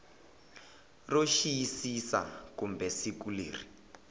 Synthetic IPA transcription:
roʃijisisa̰kumbɛsikulḛːri

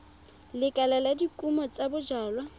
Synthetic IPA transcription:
lɪkʼalaladikʼumɔt͡sʼabʊd͡ʒaːlwa

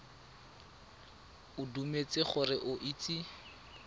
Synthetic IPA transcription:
ʊdumet͡sɪχʊrɪʔʊʔit͡sʼi

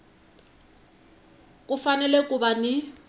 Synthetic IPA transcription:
kʼʊfanɛlɛkʼʊbanɪ

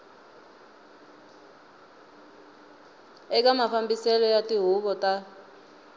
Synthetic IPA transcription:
ɛk̬ʼamafambisɛlɔjatʼiɦuβɔtʼa

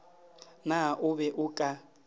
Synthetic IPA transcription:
naʔuβɛʔukʼa

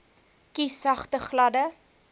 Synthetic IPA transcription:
kisɐχtəχlɐdə

